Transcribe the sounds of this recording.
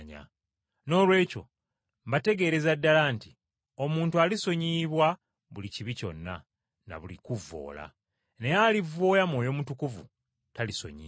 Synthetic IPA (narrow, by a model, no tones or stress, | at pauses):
ɲa̰ | no̞ːlwe̞ːco̞̰ | mbate̞ɡe̞ːɾe̞zadːalaːnti | o̞muːntualiso̞ɲiːβwa | βuliciβico̞̰nːa̰ | na̰βulikuvːo̰ːla̰ | ne̞jalivo̞ːjamwo̞ːjo̞mutukuvṵ | taliso̞̰ɲḭː